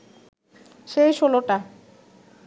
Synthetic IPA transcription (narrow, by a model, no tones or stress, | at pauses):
ʃejʃoloʈa